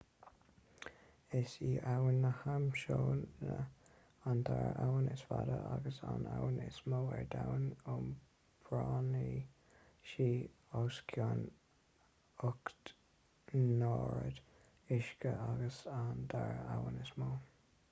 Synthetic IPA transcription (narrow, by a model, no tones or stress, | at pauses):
ɪsiːʔawənːəhamʃoːnə | ant̪ʰaɹawənɪsvadəʔaɡəsanawənɪsmoːɛɹd̪awənʊm | b̥ɹɑːni | ʃiː | oskʰjan | ʊkt̪ | noːɹəd̪ | ɪʃkəʔaɡəsand̪ʰaɹawənɪsmoː